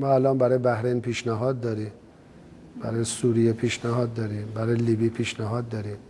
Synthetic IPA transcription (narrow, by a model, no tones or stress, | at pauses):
mɒːælɒːnbæɾɒːjebæhɾejnpʰiːʃnæɦɒːd̪̚ːɒːɾim | b̥æ̰ɾɒːjesuɾijepʰiːʃnæɦɒːd̪̚ːɒːɾiːmbæɾɒːjeliːbipʰiːʃnæɦɒːd̪ːɒːɾim